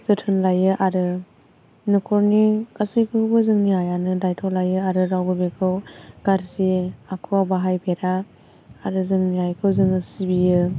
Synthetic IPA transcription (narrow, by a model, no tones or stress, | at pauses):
zɯtʰɯnlajɯʔaɾɯ | nɯkʰɔɾnikasɯjkʰɯwbɯzɯŋniɦajanɯdajtʰɔlajɯaɾɯɾawbɯbekʰɯwɡ̥aɾsiakʰuwabaɦajbeɾaː | ɾɯzɯŋniɦajkʰɯwzɯŋɯsibijɯ